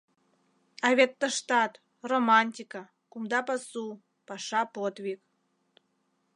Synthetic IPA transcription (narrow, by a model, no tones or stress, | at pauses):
ɑβʲet̪ːəʃt̪ɑt̪ | romɑnʲt̪ʲika | kumd̪ɑpɑsu | pɑʃɑpot̪βʲik